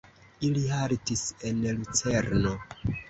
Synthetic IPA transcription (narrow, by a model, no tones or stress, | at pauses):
ilihaɾtise̞nlut͡se̞ɾno̞